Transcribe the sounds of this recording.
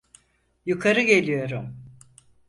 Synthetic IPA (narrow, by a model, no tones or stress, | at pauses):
jukʰaɾɯɟe̞lʲijo̞ɾum